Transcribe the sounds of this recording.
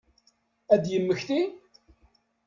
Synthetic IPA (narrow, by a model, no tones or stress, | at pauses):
æd̪jəmːəçθi